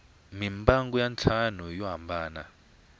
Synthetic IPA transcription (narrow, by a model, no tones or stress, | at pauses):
mimbaŋɡujant͡ɬʰanujɔɦambʱaːna̰